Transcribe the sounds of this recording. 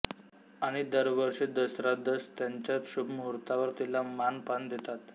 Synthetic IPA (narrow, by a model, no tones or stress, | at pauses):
aɽ̃id̪əɾʋəɾʂed̪əsɾad̪əst̪jaɲt͡ɕjat͡sɕubʱmuɾt̪aʋəɾt̪ilamanpand̪et̪at̪